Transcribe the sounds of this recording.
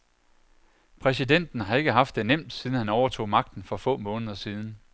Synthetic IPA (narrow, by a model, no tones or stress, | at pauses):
pʰʁɛs̬id̥en̰d̥n̩ɦɑ̈e̝ɡ̥əɦɑ̈fd̥ːe̝nem̰d̥siːðˠn̩hænɒʊɐt͡sʰo̝̰ːmɑ̈ɡ̥̚d̥n̩fɒ̽fɔ̰̽ːmɔ̽ːnəð̞ˠɐsiːð̞ˠn̩